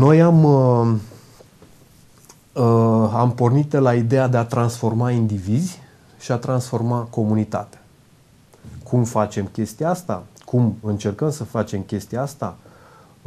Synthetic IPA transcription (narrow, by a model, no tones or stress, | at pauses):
no̞jam | ampo̞rnit̪̚d̪elaid̪e̞ad̪e̞at̪ɾansfo̞rmaind̪ivizʲ | ʃiat̪ɾansfo̞rmako̞munit̪a̰t̪eḁ | kʰumfat͡ʃe̞mkʲe̞st̪iaast̪a̰kʰumɨnt͡ʃe̞rkəmsəfat͡ʃe̞mkʲe̞st̪iaast̪a̰